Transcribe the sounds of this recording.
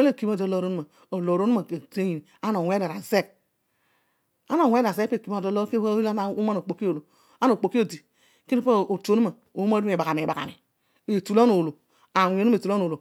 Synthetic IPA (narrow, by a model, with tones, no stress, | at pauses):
e˦le˦˨ki˨mo˦˨do˨˦lo˨˦ɾo˦nu˦a˨ | o˨lo˨ɾo˦nu˦a˨e˨te˦ɲi˨ni˨a˦no˨wʷe˦da˨ɾa˨ze˦˨k̚ | a˦no˨wʷe˦da˨ze˦pe˦˨ki˨˦o˨do˦o˦ɾke˦a˦˨u˦a˦no˨k͡po˨ki˦o˨lo˨ | a˦no˨k͡po˨ki˦o˦di˨ | ke˦ɾpo˦˨o˨to˨˦nu˦ma˨ | o˨˦a˦e˨ba˨ka˨m˨e˨ba˨ka̰˨ni˨ | e˨tu˨lo˦no˨lo˨ | a˨wo˨˦u˦e˨tu˨lo˦no˨lo˨